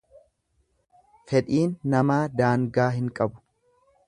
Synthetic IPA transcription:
fɛᶑiːnːɐmaːd̪aːŋɡaːɦɪŋkʼɐbʊ̥

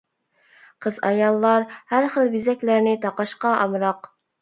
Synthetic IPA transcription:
qʰəzɑ̰jɑlˠːɑɾhæɾχəlˠbizɛkʲlæɾnɪt̪ʰɑqɑʃqɑʔɑmɾɑq

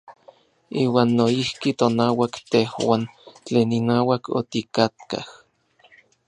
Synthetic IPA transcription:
iːwaːnːoihkit̪onaːwakt̪ehwaːnt͡ɬeːninaːwakʰo̰t̪ikat̪̚ka̰h

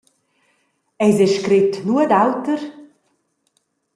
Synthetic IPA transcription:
ɛjzɛʃkɾɪtnuəd̪awtəɾ

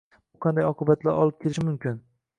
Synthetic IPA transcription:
bʊqʰɑnd̪ajɒqʰɨbat̪ʰlaɾʔɒlˠɪp̚kʲʰelɪʃɪmʊmkʲɪn

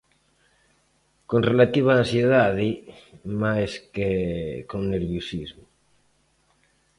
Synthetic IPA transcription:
konrelat̪iβ̞aːnsjeðaðimajskekoŋneɾβjosizmo

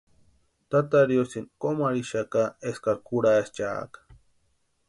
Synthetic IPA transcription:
t̪at̪aɾjosinkomaɾiʃakaeskakuɾaest͡ʃa̰kḁ

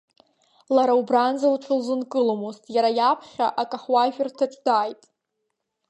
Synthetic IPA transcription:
laɾaubranzalʈ͡ʂʷʰɨlzɨnkʼɨlomoztʼjaɾajapʰχʲaʔakʼaχwaʒᶣɪrtʰaʈ͡ʂʼdajtʼ

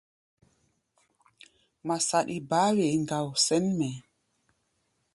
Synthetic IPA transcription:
masaɗibaːwɛŋɡawsɛnmɛ

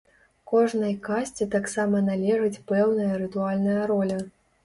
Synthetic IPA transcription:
kɔʐnɐjkasʲt͡sʲɛt̪aksamɐnalʲɛʐɨt͡sʲpɛwnɐjɐɾɨt̪ualʲnɐjɐɾɔlʲɐ

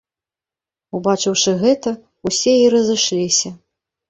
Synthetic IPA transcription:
ubat͡ʂɨwʂɨɣɛt̪ɐ | usʲɛjiɾɐzɨʂlʲisʲɐ

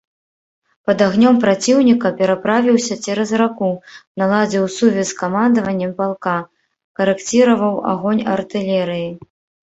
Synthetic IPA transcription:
pɐd̪aɣnʲɔmpɾat͡sʲiwnʲikɐpʲɛɾapɾavʲiwsʲɐt͡sʲɛɾɐzrakunalˠad͡zʲiwsuvʲɛskamand̪ɐvɐnʲːɛmpalˠka | kɐɾɛkt͡sʲiɾɐvɐwa̰ɣɔnʲɐ̰rt̪ɨlʲɛɾɨji

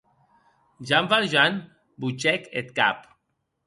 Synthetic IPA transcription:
d͡ʒamvaɾʒan | but͡ʃɛket̪ka̰p

